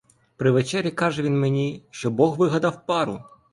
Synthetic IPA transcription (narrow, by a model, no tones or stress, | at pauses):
pɾɪʋet͡ʃɛɾʲːikɑʒɛʋʲinmenʲiʃt͡ʃɔbɔɣʋɪɦɐd̪ɑwpɑɾʊ